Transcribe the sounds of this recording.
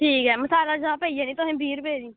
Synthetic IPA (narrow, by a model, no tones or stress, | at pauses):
ʈʰiːkɦɛːməsaːlaːd͡ʒãːpəːiːɛːnĩːt̪ʊɦẽːbʱiːɾpeːd̪iː